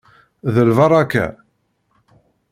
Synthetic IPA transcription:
ðəlvɑɾˤɑkæ̰

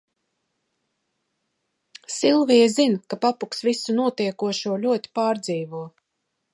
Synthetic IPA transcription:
silˠvijɛzinkapapuksvisunuɔt̪iɛkuɔʃuɔlʲuɔt̪ʲi̥paːɾd̪ziːvuɔ

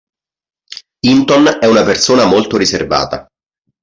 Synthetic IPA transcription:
int̪ɔnɛunapersoːnamolt̪oɾiserva̰ːt̪a̰

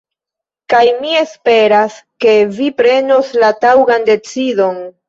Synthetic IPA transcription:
kajmie̞spe̞ɾaske̞vipɾe̞noslatawɡande̞t͡sido̞n

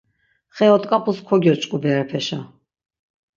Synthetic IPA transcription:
χɛɔt̪ʼkʼapʰʼuskʰɔɡjɔt͡ʃʼkʼubɛɾapʰɛʃa

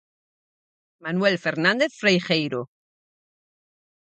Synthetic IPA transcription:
manwelfeɾnãnd̪eθfɾejxejɾo

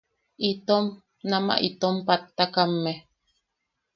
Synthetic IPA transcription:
ʔit̪om | nama̰ʔit̪ompat̪ːakamːe

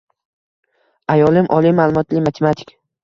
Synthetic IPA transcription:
ajɒlˠɪmʔɒlˠimalˠʊmɒt̪lɪmat̪ʰemat̪ʰɪ̥kʲ

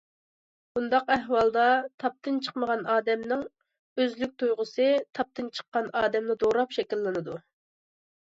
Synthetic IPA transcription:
bund̪ɑqæɦwɑlˠd̪ɑt̪ʰɑp̚t̪ɨnt͡ʃʰə̥qməʁɑnɑːd̪ɛmnɪŋ | øzlyk̚ʲt̪ʰujʁʊsɨt̪ʰɑp̚t̪ʰɨnt͡ʃʰə̥qːɑnɑːd̪ɛmnɨd̪oɾɑpʃɛkʲilːɪnɨd̪u

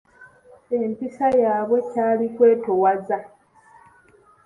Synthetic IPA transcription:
e̞mpisajaːβwe̞caːlikwe̞ːtowaza

